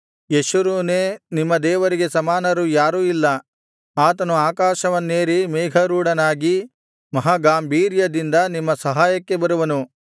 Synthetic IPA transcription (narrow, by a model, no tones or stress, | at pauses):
jeʃuɾuːneːnimːɐd̪ɛːʋɐɾiɡe̞sɐmaːnɐɾujaːɾuːilːɐ | aːt̪ɐnuaːkaːʃɐʋɐnːeːɾimeːɡʱɐɾuːɽɐnaːɡi | mɐɦaːɡaːmbʱiːɾjɐd̪ind̪ɐnimːɐsɐɦaːjɐkːe̞bɐɾuʋɐnu